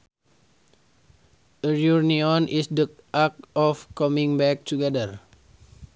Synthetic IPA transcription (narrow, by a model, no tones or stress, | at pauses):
əɹjurniɔnʔisdə | ʔak̚ɔfkɔmĩŋbɛk̚tuɡɛdər